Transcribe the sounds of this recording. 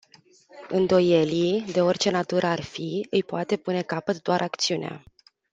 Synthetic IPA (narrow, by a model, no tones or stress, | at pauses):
ɨnd̪o̞je̞lid̪e̞o̞rʲt͡ʃe̞nat̪uɾʔəarfiɨjpoat̪e̞pune̞kapət̪d̪oaɾʔakt̪siunea̰